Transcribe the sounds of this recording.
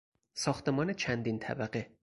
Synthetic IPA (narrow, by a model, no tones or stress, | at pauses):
sɒːxt̪ʰe̞mɒːne̞t͡ʃʰænd̪int̪ʰæ̰bæɢe̞